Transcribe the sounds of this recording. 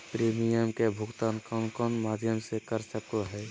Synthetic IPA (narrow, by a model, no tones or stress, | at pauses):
pɾeːmijəmkebʱʊɡt̪aːnkɔnkɔːnmaːd̪ʱjəmsekəɾsəkoɦɛː